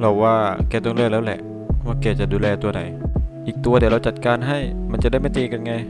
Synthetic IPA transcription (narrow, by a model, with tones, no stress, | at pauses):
lɔ˧˩waː˧kɛː˧˩t̪ɔ˧ŋlɛː˧˩lɛː˦˥wlɛ̰˨˩ʔ | waː˧˩kɛː˧˩t͡ɕa˨ʔduː˧lɛː˧t̪u˧ɐna̰˨˦jʔiː˨˩k̚t̪u˧ɐdɾa˧wt͡ɕa˨˩t̪̚kaː˧nɦa˥˩jma˧nt͡ɕa˨da˥˩jma˥˩t̪iː˧ka˧nŋa˧j